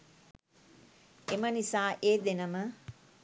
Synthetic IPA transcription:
emənisaːʔeːd̪enəmə

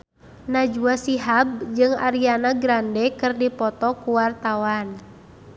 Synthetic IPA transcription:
nad͡ʒuasiɦab̚d͡ʒɨŋa̰ɾianaɡɾandɛkɨrdipɔt̪ɔkuwart̪awan

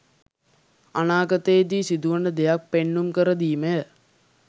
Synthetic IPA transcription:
anaːɡət̪eːd̪iːsid̪uʋənəd̪ejak̚penːumkəɾəd̪iːmə

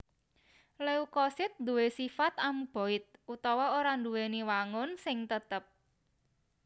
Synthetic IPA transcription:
leukɔsɪt̪̚nd̪uwesifat̪amub̥o̤ɪt̪̚ut̪ɔwɔoɾand̪uweniwaŋʊnsɪŋt̪ət̪əp̚

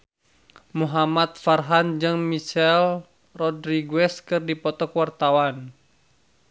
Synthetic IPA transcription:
muɦamat̪̚farɦand͡ʒɨŋmiʃɛl | rɔdɾiɡwɛskɨrdipɔt̪ɔkwart̪awan

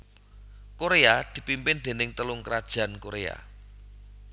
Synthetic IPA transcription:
koɾead̪̥i̤pimpɪnd̪̥e̤nɪŋt̪əlʊŋkəɾad̥ʒ̥ä̤nkoɾea̰

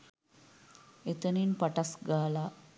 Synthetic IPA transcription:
et̪əniːnpaʈasɡaːla

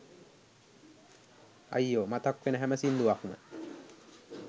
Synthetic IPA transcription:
a̰jːoːmat̪akʋenəɦæməsind̪uakumə̰

